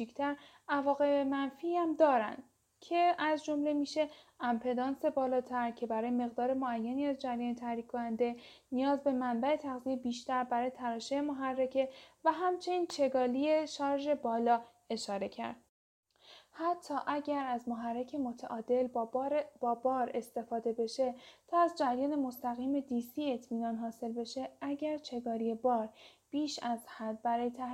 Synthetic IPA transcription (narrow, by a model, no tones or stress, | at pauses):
ict̪ʰæɾ | ævɒːɣe̞mænfiæmd̪ɒːɾæ̰nd̪ | cʰe̞æzd͡ʒo̞mle̞miːʃe̞æmpʰe̞d̪ɒːnse̞bɒːlɒːt̪ʰæɾcʰe̞bæɾɒːjeme̞ɣd̪ɒːɾe̞moæjːæniːæzd͡ʒæɾjɒːnt̪ʰæhɾiːcʰkʰːonænd̪e̞ | nijɒːzbe̞mæmbæe̞t̪ʰæɣziebiːʃt̪æɾbæɾɒːje̞t̪ʰæɾɒːʃejemoɦærːecʰe̞væɦæmt͡ʃʰe̞niːnt͡ʃʰe̞ɡɒːlie̞ʃɒːɾʒe̞bɒːlɒː | e̞ʃɒːɾe̞cʰæ̰ɾd̪̥̚ | hæt̪ʰːɒːʔæɟæɾæzmoɦærːe̞cʰe̞mo̞t̪ʰæʔɒːd̪e̞lb̥ɒːbɒːɾe̞st̪e̞fɒːd̪e̞be̞ʃe̞t̪ʰɒːæzd͡ʒæɾjɒːne̞mo̞st̪æɣiːme̞d̪iːsiːe̞t̪ʰmiːnɒːnɦɒːse̞lbe̞ʃe̞æɟæɾt͡ʃʰe̞ɡɒːɾie̞bɒːɾ | b̥iːʃæzhæd̪̚bæɾɒːjet̪ʰæ